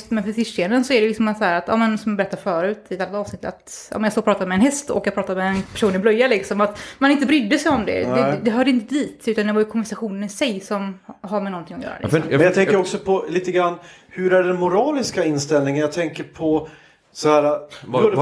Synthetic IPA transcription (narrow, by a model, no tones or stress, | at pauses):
t̪mɛnfœt̪ʰɪʂseənd̪ənsɔæɖɛlɪksɔmasɔhæːɾat̪ɑ̰ːmənsɔmjabɛɾɛt̪ːafœːɾʉ̟ːt̪ɪt̪alːat̪ɑːvsnɪt̪ːa̰t̪ɑ̰ːmɛnjɑɡst̪oːɡpʰɾɑːt̪ad̪mɛnhɛst̪ɔ̰kːjaɡpɾɑːt̪ad̪mɛːnpʰæ̥ʂuːnɪblœjːalɪksɔmat̪manɪnt̪əbɾʏd̪ːəsɛjɔmd̪ɛ̰d̪ɛd̪ɛɦœːɖɪnt̪əd̪iːt̪ʉ̟t̪and̪ɛvajʏkʰɔmvæʂaɧuːnənɪsɛjsɔmɦaɾmɛnɔnt̪ʰɪŋːɔjœ̰ːɾa̰ɛ̰ɛnjat̪ɛŋəɾɔksɔpʰɔliːt̪əɡɾanː | hɵɾæɖɛnmʊɾɑːlɪskaɪnst̪ɛlnɪŋənjat̪ʰɛŋkəɾpʰɔ | sɔhæːɾa